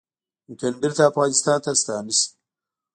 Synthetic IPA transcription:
kɐndiɾt̪aːfɣɑːnɪst̪ɑːnt̪ast̪ɑːnis

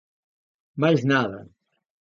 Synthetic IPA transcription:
majznaðɐ

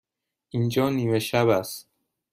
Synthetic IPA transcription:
ʔind͡ʒɒːniːmeʃæbæst̪̚

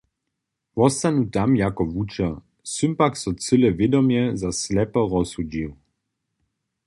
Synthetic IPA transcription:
vɔst̪anut̪amjakɔʋut͡ʃa | sympaksɔt͡sɨlɛvjɛd̪ɔmjɛzaslɛpɔʁɔsud͡ʑiw

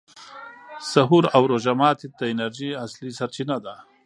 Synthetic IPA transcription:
saɦuɾawɾoʒamɑːt̪id̪əɪnaɾʒiaslisaɾt͡ʃinad̪a

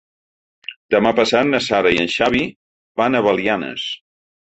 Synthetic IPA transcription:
d̪əmapəsat̪nəsaɾəiənʃaβi | banəβəlˠianə̰s

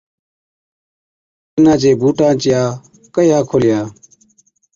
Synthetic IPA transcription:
ɪnãːt͡ʃeːbuːʈãːt͡ʃɪjaː | kəiɦãːkʰoːlɪjaː

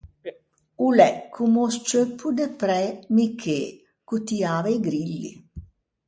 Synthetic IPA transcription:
ulɛkːumost͡ʃøpːud̪epɾɛmikʰe | kut̪iaːvɛjɡɾilːḭ

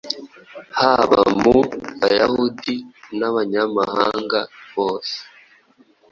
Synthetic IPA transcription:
haβa̰muβajahudinaβaɲamahaːŋɡaβoːse̥

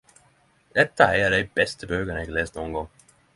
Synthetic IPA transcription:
d̪̥ɛt̪ːaæjaɖ̪ɛjbɛst̪əbøːɡənɛɡleːst̪noːnɡɔŋː

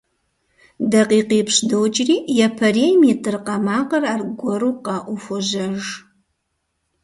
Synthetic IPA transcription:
dɐqiːqiːpɕdowt͡ʃʼriːjɛpʰɐrejmiːtʰʼɨrqɐmaːqɐraːrɡʷɔɾuːqɐʔufoʒɐʒ

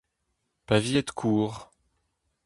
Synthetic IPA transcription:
pavijɛt̪kʰuːʁ

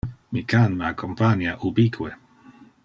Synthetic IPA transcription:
mikʰanmakʰɔmpʰanjaʔubikʰwɛ

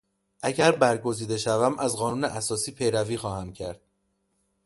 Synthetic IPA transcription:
ʔæɟæɾbæɾɡo̞ziːd̪e̞ʃævæmʔæzɢɒːnuːneʔæsɒːsiːpʰe̞jɾæviːxɒːhæmcʰæ̰ɾd̪̥̚

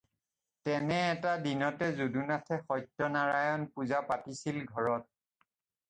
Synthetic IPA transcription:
tɛnɛːtadinɔtɛzudunatʰɛxɔjtːɔnaɹajɔnpuzapatisilɡʱɔɹɔt̚

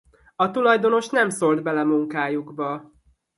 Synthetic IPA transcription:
ɒt̪ulɒjd̪o̞no̞ʃnɛmso̞ld̪bɛlɛmuŋkaːjuɡbɒ

